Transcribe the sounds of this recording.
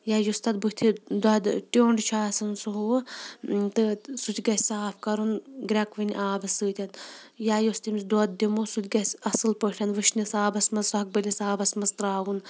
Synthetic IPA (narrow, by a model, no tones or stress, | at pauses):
jaːjust̪ɐt̪̚but̪ʰid̪ɐd̪ʈʲoːɳɖt͡ʃʰaːsɐnsuɦu | t̪ɨsut̪ʰʲɡɐsʲsaːpʰkɐɾunɡɾʲɐkʋɨnʲʔaːbɐsɨːt̪ʲɐt̪ | jaːjost̪imsd̪oːd̪̚d̪imusut̪ʰʲɡɐsʲɐsɨlpəʈʲʰɐnʋɨʃnʲisaːbɐsmɐzsɐɐk̚bɨlʲisaːbɐsmɐst̪ɾaːʋun